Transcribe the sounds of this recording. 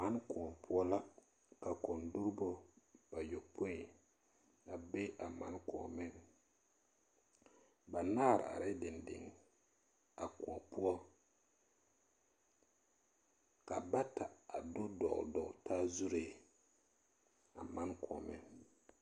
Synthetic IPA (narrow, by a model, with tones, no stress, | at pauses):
ma˦nku˨ɔ˨pʰʊ˦ɔ˦la˦ | ka˨kɔ˨ndu˦ɾbo˦ba˨jo˨pʰo˦˨ | a˨be˦ʔa˨ma̰˨nkɔ̰˨mɪ˦ŋ | ba˨naː˦˨ɾ̰a̰˨ɾɪ˦dɪ˨ndɪ̰˨ŋ | a˨ku˨ɔ˨pu˦ɔ˦ | ka˨ba˦ta˨a˨do˦dɔ̰˨ʔdɔ˨ʔtaː˦zu˦ɾe˨ | a˨ma˦nkʰɔ˨mɪ̰˦n